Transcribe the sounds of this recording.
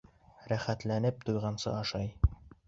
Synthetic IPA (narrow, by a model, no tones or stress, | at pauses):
ɾæχæt̪lænɘp̚t̪ujʁɑnsɤ̰ɑʃɑj